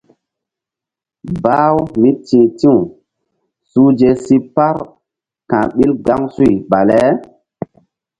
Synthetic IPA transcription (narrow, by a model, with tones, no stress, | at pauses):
baː˦wmi˦tĩ˨tĩ˦w | suː˦d͡ʒe˦si˦pa˦ɾ | kã˨ɓi˦lɡa˦ŋsu˦i˨ɓa˨lɛ˦